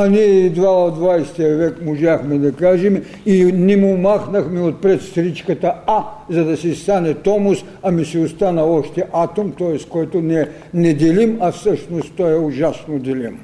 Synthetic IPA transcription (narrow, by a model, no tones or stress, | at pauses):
aniɛid̪vaod̪vajst̪ijɐvɛkmʊʒaxmɛd̪ɐkaʒɛm | inɛmʊmaxnɐxmɛot̪̚pɾɛt̪st̪ɾit͡ʃkɐt̪aazɐd̪ɐsist̪anɛt̪ɔmus | amisiʊst̪anɐɔʃt̪ɛʔat̪omt̪ɔjɛst̪kɔjt̪onɛ | nɛd̪ʲɛlʲimafsəʃnostt̪ɔɛʊʒasnod̪ʲɛlʲim